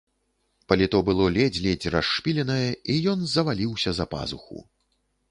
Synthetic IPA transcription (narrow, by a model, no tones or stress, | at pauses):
pɐlʲit̪ɔbɨlˠɔlʲɛd͡zʲlʲɛd͡zʲraʂːpʲilʲɛnɐjɛijɔnzɐvalʲiwsʲɐzɐpa̰zuxṵ